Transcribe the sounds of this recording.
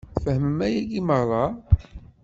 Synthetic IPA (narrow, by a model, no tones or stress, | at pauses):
fəhməmæjæɡiməʁɾˤɑ